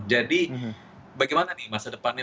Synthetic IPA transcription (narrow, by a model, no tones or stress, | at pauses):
d͡ʒadi | baɡajmananimasadəpanja